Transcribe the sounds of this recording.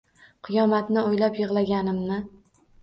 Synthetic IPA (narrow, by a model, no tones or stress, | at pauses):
qʰɨjɒmat̪nɪojlapjɨʁlˠaɡʲanɪmnɪ